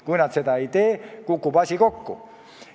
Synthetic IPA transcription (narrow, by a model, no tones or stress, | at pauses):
kuinɑt̪set̪æeit̪eːkukːupɑsʲikokːṵ